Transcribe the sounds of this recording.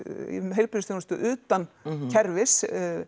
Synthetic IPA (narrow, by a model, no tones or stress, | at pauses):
ɦejlpʏɾɪst̪inʏst̪ʏʔʏːt̪ancʰɛɾvɪs